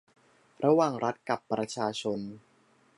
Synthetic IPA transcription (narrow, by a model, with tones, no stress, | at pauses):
ɾa˧waː˨˩ŋɾʔa˦˥t̪̚ka˨˩pːɾa˧t͡ɕʰaː˧t͡ɕʰo˧n